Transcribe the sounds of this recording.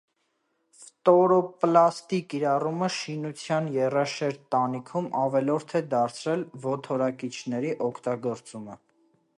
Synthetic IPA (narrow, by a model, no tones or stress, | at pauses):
ft̪ɔɾɔplɑst̪ikiɾɑruməʃinut͡sʰjɑnjɛrɑʃɛɾt̪ːɑnikʰumɑvɛlɔɾt̪ʰɛd̪ɑɾt͡sʰɾɛlvɔt̪ʰɔɾɑkit͡ʃʰnɛɾiʔɔkʰt̪ɑɡɔɾt͡sumə